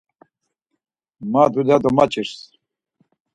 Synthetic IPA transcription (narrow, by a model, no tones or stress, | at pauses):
mad̪ud̪ad̪ɔmat͡ɕiɾs